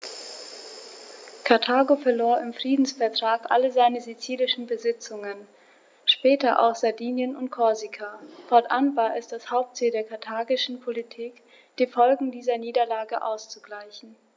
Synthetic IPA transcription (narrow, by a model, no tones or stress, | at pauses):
kʰaɐtʰaːɡofɛɐloːɐʔɪmfʁ̥iːdn̩sfɛɐtʁ̥aːkʔa̰ləzaɪnəzit͡siːlɪʃn̩bəzɪt͡sʊŋən | ʃpɛːtɐʔa̰ʊxz̥aɐdiːnjənʊntkʰɔɐzikʰafɔɐtʔanvaːɐʔɛsd̥ashaʊp̚tz̥iːldeːɐkʰaɐtʰaːɡɪʃn̩pʰolitʰiːk | d̥iːfɔlɡŋ̩diːzɐniːdɐlaːɡəʔa̰ʊst͡suɡlaɪçn̩